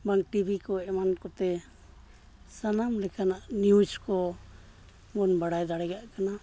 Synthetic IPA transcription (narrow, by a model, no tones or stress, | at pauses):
baŋʈibikɔɛmankɔt̪ɛ | sanamlɛkanaʔniuskɔ | mɔnbaɽajd̪aɽɛɡaʔkana